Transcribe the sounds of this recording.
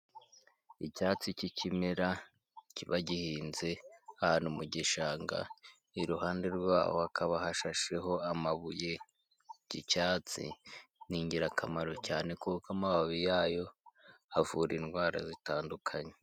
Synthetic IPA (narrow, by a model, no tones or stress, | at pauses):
icaːt͡sicicimeɾa | ciβaɟihiːnze̞ahanumuɟiʃaːŋɡa̰ | iɾuhaːnde̞ɾɡwa̰ːho̰hakʰaβahaʃaʃe̞ɦo̞amaβuje | ɟ̥icaːt͡sḭniːɲɟiɾakʰamaɾo̞caːne̞kukamaβaβijaːjo̞havuɾinɡwaːɾa̰zitaːndukʰaɲe